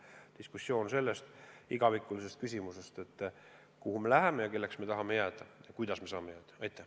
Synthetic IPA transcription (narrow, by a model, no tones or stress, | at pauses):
d̪̥iskusːjo̞ːnse̞lːe̞st̪iɡ̥ɑvikːˑulise̞st̪kysʲimuse̞st̪e̞t̪ː | kuhume̞læɦe̞mejɑke̞lːe̞ksme̞t̪ɑɦɑmejæːd̪̥ɑjɑkujd̪ɑsme̞sɑːme̞jæːd̪̥ɑ̥ɑjt̪ːˑæ